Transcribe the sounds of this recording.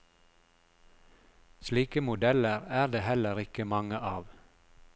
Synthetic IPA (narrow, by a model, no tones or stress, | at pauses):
sliːkəmʊd̪ɛləʁæːʁd̪eːhɛləʁɪkəmɑŋəʔɑːʋ